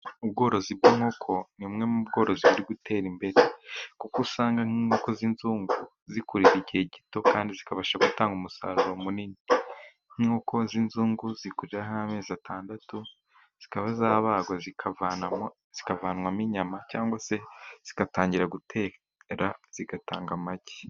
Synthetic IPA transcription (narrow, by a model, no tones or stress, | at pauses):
ub̚ɡo̞ːɾo̞zibɡiːŋ̥ho̞kʰo̞nimŋe̞mubɡo̞ːɾo̞ziβuɾiɡutʰe̞ːɾimbe̞ɾe̞kukusaːŋɡaŋ̥iːŋho̞ko̞zinzuːŋɡu | zikuɾiɾiɟieɟito̞kaːndizikaβaːʃaɡutaːŋɡumusa̰ːɾuɾo̞munini | ŋ̥iːŋoko̞zinzuːŋɡuzikuɾiɾahaame̞ːzatʰaːndatu | z̥ikaβazaːβaːɡwazikavana | z̥ikavaːnwamiɲamacaːŋɡwase̞z̥i̥kataːɲɟiɾaɡutʰeː | ɾaz̥iɡataːŋɡamaɟi̥